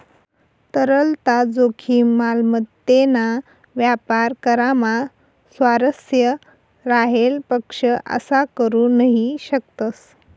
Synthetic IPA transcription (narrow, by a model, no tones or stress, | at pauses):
t̪əɾəlt̪ad͡zokʰiːmalmət̪ːena | ʋjapaɾkəɾama | sʋaɾəsjə | ɾaɦelpəkʂəʔə̰sakəɾunəɦiɕək̚t̪əs